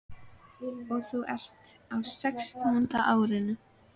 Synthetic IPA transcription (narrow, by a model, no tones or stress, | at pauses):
ɔθuwʔɛ̰r̥t̪awsɛkst̪aant̪aʔaːwɾɪnʏ